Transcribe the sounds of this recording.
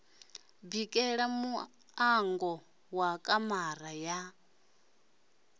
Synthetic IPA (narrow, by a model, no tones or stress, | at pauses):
bikʼɛɺamu | aŋɡɔ | wakʼamaraja